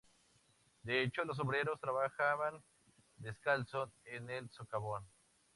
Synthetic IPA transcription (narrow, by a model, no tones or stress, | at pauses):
d̪eet͡ʃolos̬oβɾeɾost̪ɾaβaxaβan | d̪eskalsoenelsokaβon